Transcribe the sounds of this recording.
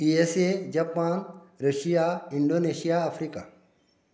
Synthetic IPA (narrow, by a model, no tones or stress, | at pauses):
piesed͡ʒɐpaːnɾəʃijaiɳɖoneʃijaɐfʰɾika